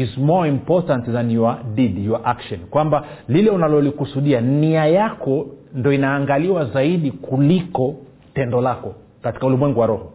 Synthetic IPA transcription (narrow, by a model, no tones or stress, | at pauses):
izmɔimpɔtantizaniwaɗiɗiwaʔakʃɔnkwamba | lilɛunalɔlikusuɗianiajakɔndiɔinaːŋɡaliwazaiɗikʰulikɔ | tɛndɔlakɔ | kati̥kaulimwɛŋɡuwaɾɔhɔ